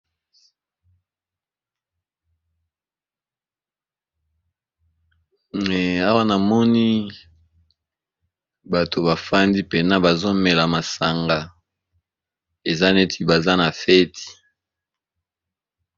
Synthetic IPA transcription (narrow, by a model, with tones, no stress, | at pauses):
a˦wa˦na˨mɔ˦ni˦ | ba˨to˨ba˨fa˦ndi˦pe˨na˦ba˨zo˦mɛ˨la˨ma˨sa˨ŋɡa˨ | e˨za˦ne˦tʰi˦ba˨za˦na˨fɛ˦ti̥˨